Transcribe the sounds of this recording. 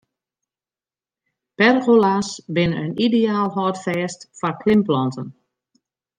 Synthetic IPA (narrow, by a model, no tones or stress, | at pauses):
pɛrɣolasbɪnəə̰nideaːlˠɦɔːtfɛːstfɔrkʰlɪmplɔntən